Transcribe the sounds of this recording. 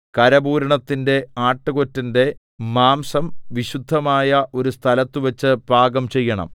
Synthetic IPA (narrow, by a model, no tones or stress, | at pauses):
kɐɾɐbuːɾɐɳɐt̪ːinde̞aːʈːɨɣo̞tːinde̞ | maːmsɐmʋiɕud̪ʱːɐmaːjɐʔo̞ɾust̪ʰɐlɐt̪ːuʋɐt͡ɕːɨb̥aːɡɐmt͡ɕe̞jːɐɳɐ̰m